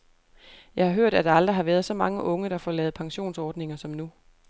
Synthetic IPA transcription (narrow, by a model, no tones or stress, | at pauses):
jɑ̈ɪhɑ̈ɦøɐ̰ɾ̥æd̥ɑ̈ɑ̈ld̥ʁiɦɑ̈ʋæɐð̞̩ˠsɒ̽mɑ̈ŋəʔɔ̽ŋəɾ̥ɑ̈fɒlɛːð̩ˠpʰɑ̈ŋɕo̝̰ːnsɒːd̥ne̝ŋɐsɒ̽mnu